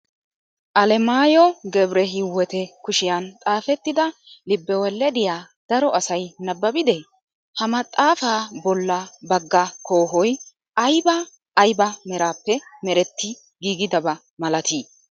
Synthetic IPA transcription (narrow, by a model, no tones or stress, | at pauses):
ʔɐlɛmaːjɔɡɛbɾɛɦɪwːɛt̪ɛkʊʃɪjɐnt̪ʼaːfɛt̪ːɪd̪ɐlɪbːɛwɛlːɛd̪ɪjaː | d̪̥ɐɾɔʔɐsɐjnɐbːɐbɪd̪ɛ | hɐmɐt̪ʼːaːfaːbɔlːɐbɐɡːɐkʰo̞ːɦɔj | ʔɐjbɐː | jbɐmɛɾaːpːɛmɛɾɛt̪ːɪ | ɡiːɡɪd̪ɐbɐ | mɐlɐt̪iː